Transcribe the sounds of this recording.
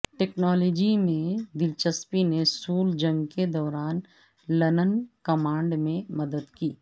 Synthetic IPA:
ʈeːknɔːlɔːd͡ʒimẽd̪ɪlt͡ʃəspinesuːld͡ʒɐ̃ŋɡked̪ɔːɾaːn | lɐnənkɐmãːɳɖmẽmɐd̪əd̪kiː

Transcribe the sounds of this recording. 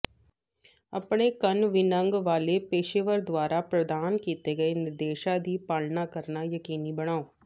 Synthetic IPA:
ɐpɳekɐnʋɪnə̃ŋɡʋaːlepeːʃeʋəɾd̪ʋaːɾapɾɐd̪aːnkiːt̪eɡɐenɪɾd̪eːʃad̪ʱipaːlnakɐɾnajɐkiːnibɐɽ̃aːoː

